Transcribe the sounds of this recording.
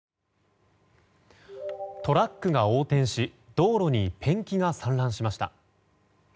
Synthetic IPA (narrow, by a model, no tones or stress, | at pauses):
t̪o̞ɾakːɯ̟ɡao̞ːt̪ẽ̞ɰ̃ɕid̪o̞ːɾo̞ɲ̟ipʰẽ̞ŋkʲiɡasãnɾãɰ̃ɕimaɕi̥t̪a̰